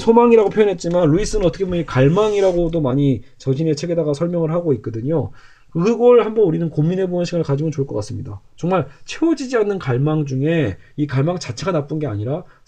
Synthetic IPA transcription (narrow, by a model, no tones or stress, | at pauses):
sʰomaŋiɾaɡopʰjojʌnɦe̞t̚t͡ɕ͈imanɾuis͈ɯnɯnʌt͈ʰʌkʰebomekaɭmaŋiɾaɡodomaɲit͡ɕʌɕʰine̞t͡ɕʰe̞ɡe̞daɡasʰʌɭmʲjʌŋɯɭhaɡoit̚k͈ʌdɯɲo | kɯɯɡʌɭhambʌnuɾinɯnkomːine̞boʌnɕʰiɡanɭkad͡ʑiɡont͡ɕoɭk͈ʌk͈as͈ɯmɲidat͡ɕʌŋmaɭt͡ɕʰe̞wod͡ʑid͡ʑianːɯnkaɭmaŋd͡ʑuŋe̞ikaɭmaŋt͡ɕat͡ɕʰe̞ɡanap͈unɡe̞aɲiɾa